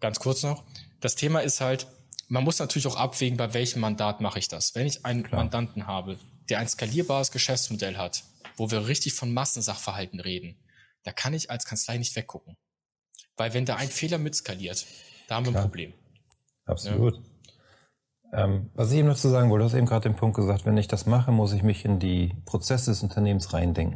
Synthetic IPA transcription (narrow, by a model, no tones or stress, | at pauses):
ɡ̥ant͡skʰʊɐt͡snɔχd̥astʰeːmaɪsthalt | manmʊsnatʰyːɐlɪçaʊxʔapv̥eːɡŋ̩baɪvɛlçəmːandaːtmaχəɪçd̥asv̥ɛnɪçʔaɪnənmandantn̩ɦaːbəd̥eːɐʔaɪnskaliːɐbaːʁəsɡ̥əʃɛft͡smodɛlɦatv̥oːviːɐʁɪçtɪçfɔnmasn̩zaχfɛɐɦaltn̩ʁeːdn̩ | d̥aːkʰanɪçalskʰant͡slaɪnɪçtv̥ɛkɡʊk̚ŋ̩ | vaɪlvɛndaːʔaɪnfeːlɐmɪtskaliːɐtd̥aːhamiːɐnnpʁoblḛːm | ʔa̰psn̰lṵːt | ʔɛmvas̬ɪçeːbm̩ndat͡suːzaːɡŋ̩vɪlduhastḛːm̩ɡʁaːdt̚d̥eːnpʰʊŋkt̚ɡ̥əzaːk̚tv̥ɛnɪçd̥asmaχəmʊs̬ɪçmɪçɪndiːpʁ̥ot͡sɛsədɛsʊntʰɐneːmən̩sʁaɪndɛŋkŋ̩